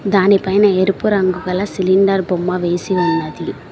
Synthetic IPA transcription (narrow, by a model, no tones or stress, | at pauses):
d̪aːnipɐjnɐɛɾɯpːɯɾɐŋɡɯɣɐɭasɪlɪɳɖɐɾbɔmːaʋeːsiʋɐnd̪ɐði